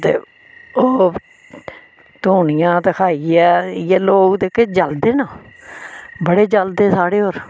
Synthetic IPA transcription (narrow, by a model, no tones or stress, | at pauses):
t̪ḛː | oː | t̪oːnɪjãːt̪əkʰaːiɛːjeːloːɡd̪eːkeːd͡ʒəld̪eːnaː | bəɽeːd͡ʒəld̪eːsaːɽeːɦoːɾ